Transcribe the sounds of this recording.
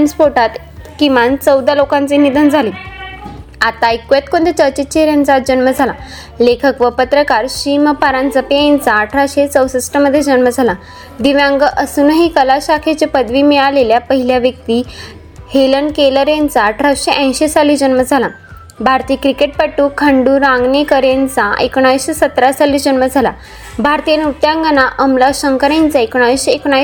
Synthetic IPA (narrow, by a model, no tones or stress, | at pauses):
nspoʈat̪ | kiʋãnt͡səwd̪ʱalokãnt͡sinid̪ʱənd͡zʱaliː | at̪aikjet̪kõɳd̪et͡ɕəɾt͡ɕet͡ɕeɾjant͡sat̪̚d͡ʑənməd͡zʱala | lekʰəkʋəpət̪ɾəkaɾɕiməpaɾãnd͡zəpeẽnt͡saːʈʰɾaɕet͡səwsisʈəmːəd̪ʱːjed͡ʑənməd͡zʱala | d̪iʋjãŋɡəʔəsunəɦiːkəlaɕakʰet͡ɕepəd̪ʋiːmialeljapəɦiljaʋjək̚t̪iː | helənkeləɾjant͡saːʈʰɾaɕeʔə̃jɕesaliːd͡ʑənməd͡zʱala | bʱaɾt̪iːkɾikeʈ̚pəʈːuːkʰəɳɖuːɾãŋɡnekəɾjent͡saekɽ̃aʋiɕesət̪ɾasaliːd͡ʑənməd͡zʱala | bʱaɾt̪ijenut̪jãŋɡənaʔəmlaɕəŋkəɾjãnt͡saekoɽ̃aʋiɕeekɳ̃a